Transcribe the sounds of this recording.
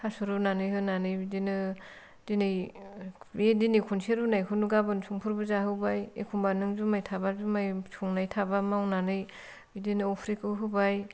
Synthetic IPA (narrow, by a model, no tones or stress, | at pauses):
hasuɾɯnanɯjɦɯnanɯjbidinɯ | d̥inɯj | bedinikʰunseɾunajkʰɯnuɡabɯnsʰuŋpʰuɾbɯzaɦɯwbajḛkʰumbanɯŋzumajtʰabazumajsʰuŋnajtʰabamawnanɯj | bidinɯɔpʰɾikɯɦɯbaj